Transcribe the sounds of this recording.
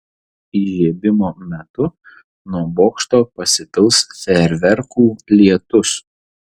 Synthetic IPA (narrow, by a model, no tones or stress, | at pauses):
iʒʲiɛbʲɪmoːmʲɛt̪ʊ | nuɔboːkʃt̪oːpɐsʲɪt̪ʲɪlˠsfʲɛɾʲʋʲɛɾkuːlʲiɛt̪ʊs